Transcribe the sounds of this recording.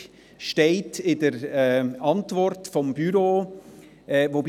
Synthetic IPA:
ʃteɪtʰɪdəɾɛɑntvɔɾtfɔmbyɾoː | ʔɛvob

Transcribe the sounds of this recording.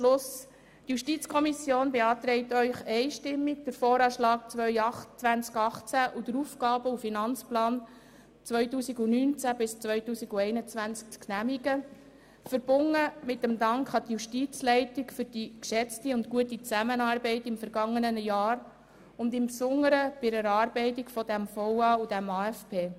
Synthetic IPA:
ʃlʊs | tjuʃtit͡skʰɔmisjoːnbeɑːt̪ɾɛɪt̪œʏχɛɪʃtɪmːik̚d̥əɾfɔːɾɑːʃlɑːk̚t͡sʋœʏɑχt͡sʋænt͡skɑχt͡sæʔud̥əɾuːfɡɑːbəufinɑnt͡splɑːn | t͡sʋœʏtuːsiɡunyːnt͡sæbɪst͡sʋœʏtuːsiɡuɛɪnət͡sʋænt͡skknæmiɡə | fəɾb̥ʊnːəmɪtːəmd̪ɑŋkχɑt̪juʃtiːt͡slɛɪtikfʏɾd̥ikʃɛt͡stiʊntkuətit͡sæmənɑːrbɛɪtɪmfəɾɡɑŋːənənəjɑːɾ | ʊndɪmpsʊŋːəɾəb̥ɪɾəɾɑːɾbɛɪtikfɔdæmfɔwɑːud̥æmɑːɛfpʰeː

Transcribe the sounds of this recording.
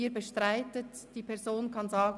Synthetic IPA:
iːbəʃtʁaɪtət | d̥iːpʰɛɐzoːnkʰɑnzɑːɡ

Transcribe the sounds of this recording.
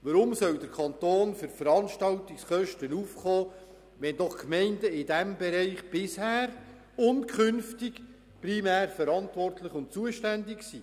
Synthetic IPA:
ʋəɾʊmsœwdəɾkʰɑnt̪oːnfʏɾfəɾɑnʃtɑltɪksχœʃtənuːfχɔː | ʋɛnd̥ɔχkmɛɪndəɪd̥æmbɛɾɛɪχb̥ɪshæːɾ | ʊntkʰχʏnftɪɡ | primæːɾfəɾɑntʋɔrtlɪχʊntt͡suəʃtændɪksiː

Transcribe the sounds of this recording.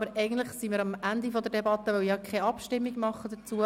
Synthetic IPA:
bəɾɛɪɡən̩t̪ləχsimiɾɑmʔænd̪ifɔd̪əɾdebɑt̪ːəʋœʊjɑkʰɛɑpʃtɪmːiɡmɑχːəd̪ət͡suə

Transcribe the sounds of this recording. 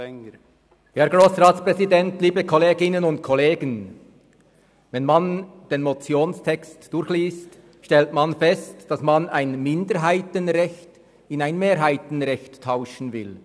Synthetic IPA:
hɛɾɡʁoːsʁaːtspʁ̥ɛzidɛntliːbəkʰɔleːɡɪnənʊntkʰɔleːɡən | vɛnmand̥eːnmot͡sjoːnstʰɛkstd̥ʊɾçliːst | ʃtɛltmanfɛstd̥ɑsmanaɪnmɪndəɦaɪtənʁɛçt | ɪnaɪnmeːɾɦaɪtn̩ʁɛçtʰːaʊʃn̩vɪl

